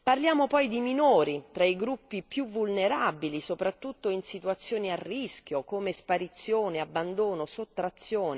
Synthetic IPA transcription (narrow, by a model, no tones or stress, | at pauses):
parljaːmopɔjd̪iminoːɾit̪ɾaiɡɾupːipjuvːulneɾabilisopɾat̪ːut̪ːoinsit̪uat̪sːjoːniarːiskʲjokomespaɾit̪sːjoːneabːand̪oːnosot̪ːɾat̪sːjoːne